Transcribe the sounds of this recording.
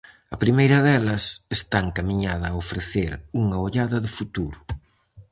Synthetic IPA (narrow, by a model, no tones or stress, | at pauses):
ɐpɾimejɾɐðɛlɐsest̪aŋkamiɲaðɐːofɾeθeɾuŋɐoʎaðɐðɪfut̪uɾʊ